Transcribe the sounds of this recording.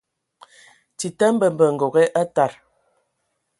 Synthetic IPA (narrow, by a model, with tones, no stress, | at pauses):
ti˨tə˦m˦bə˨m˨bə˨ŋ̩˨ɡo˨ɣɛ˦ʔa˦ta˨ɾ